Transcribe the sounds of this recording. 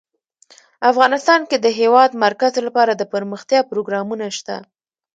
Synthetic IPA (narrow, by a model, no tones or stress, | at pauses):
afɣɑnɪst̪ɑnked̪əɦewɑd̪maɾkazolapɑɾad̪əpəɾməxt̪jɑpɾoɡɾɑmunaʃt̪a̰